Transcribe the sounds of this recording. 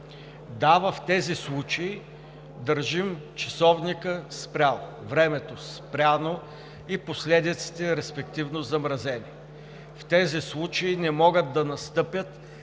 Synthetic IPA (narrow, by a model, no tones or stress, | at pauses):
d̪avəft̪ɛzislˠut͡ʃɐi | d̪əɾʒimt͡ʃɐ̥sɔvnikəspɾʲalˠo | vɾɛmɛt̪ospɾʲano | iposlɛd̪it̪si̥t̪ɛɾɛspɛkt̪ivnozɐmɾɐzɛni | ft̪ɛzislˠut͡ʃəinɛmɔɡət̪̚d̪ɐnɐst̪ɤpʲjət̪